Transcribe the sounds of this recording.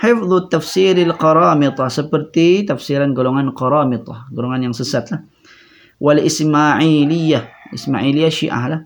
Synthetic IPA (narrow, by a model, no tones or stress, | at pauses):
ħɪfðˤt̪ːafsiɾalqɑɾˤɑːmɪt̪ˤɑhsəpərt̪it̪afsiɾanɡoloŋanqɑɾɑːmɪt̪ˤɑ̰hɡoloŋanjaŋsəsat̪lah | walʔɪsmaʕilijːahʔɪsma̰ʕilijːaʃḭʔa̰hlah